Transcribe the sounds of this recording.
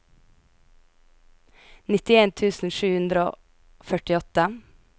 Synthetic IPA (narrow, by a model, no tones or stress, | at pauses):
nɪt̪ɪeːnt̪ʰʉːsn̩ʃʉːhʉnd̪ɾəo̰ː | fœʈɪɔt̪ə